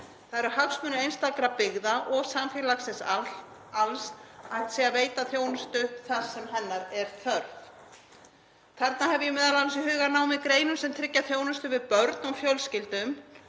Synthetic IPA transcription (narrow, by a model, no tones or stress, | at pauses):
θaðɛɾʏhaksmœːnɪɾejnst̪akɾapɪɣðaʔɔɣsamfɪlaxsɪns | alsajht̪sɛaveːjt̪aθjoːwnʏst̪ʏθasːɛmɦɛnːaɾɛɾ̥θʰœɾθ | k̪ʰɛɾt̪naɦɛvʏjɛmɛːðalasiɦʏːɣanaːwmɪðkɾeːjnʏmsɛmt̪ʰɾɪcːaθjoːwnʏst̪ʏvɪðpœɾt̪nɔfjœlscɪlt̪ʏm